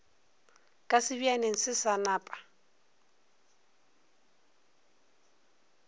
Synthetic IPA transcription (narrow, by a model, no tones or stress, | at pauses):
kʼasɪbianeŋ̩sɪsanaːpʼḁ